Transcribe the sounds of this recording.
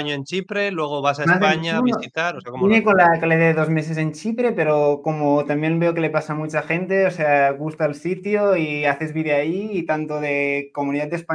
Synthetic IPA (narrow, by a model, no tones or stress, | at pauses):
ɲoent͡ʃipɾe̞lweɣ̞oβas̬aeazaɲanoit̪alosaoinekonlakaleðeðeðozme̞ses̬e̞nt͡ʃipɾe̞pe̞ɾokomot̪ambje̞nbeokele̞pasamut͡ʃaxent̪e̞oseaɣust̪alsit̪joiaθe̞zβiðeaiːt̪ant̪oðeko̞muniðat̪d̪espa